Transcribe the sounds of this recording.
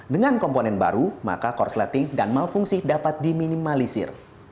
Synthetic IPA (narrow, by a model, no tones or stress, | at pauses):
dəŋankɔmponɛnba̰ɾuma̰kakɔrslat̪ɪŋdanmalfuŋsidapat̪̚diminimalisɪ̰r